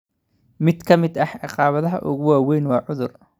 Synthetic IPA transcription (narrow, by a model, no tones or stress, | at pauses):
mɪd̪kʰɐmɪd̪ɐħʕɑqɑːβɐðɐɦɐ̰ʔʊ̰ɣʊwaːwɛjnwɑːʕʊðʊr